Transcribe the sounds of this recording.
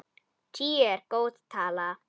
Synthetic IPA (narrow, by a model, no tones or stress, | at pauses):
t͡ʃieɾkot̪t̪ʰala